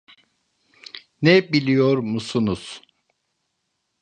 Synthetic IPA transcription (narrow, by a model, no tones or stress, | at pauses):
nɛbilʲijoɾmusunuz̥